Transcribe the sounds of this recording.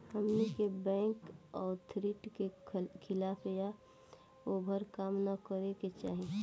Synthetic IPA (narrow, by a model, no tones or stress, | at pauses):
həmnikebɛ̃ːŋkɔːɾt̪ʰɾiʈkekʰɪlaːpʰeja | oːbʱəɾkaːmnakəɾeket͡ʃa̰ːɦe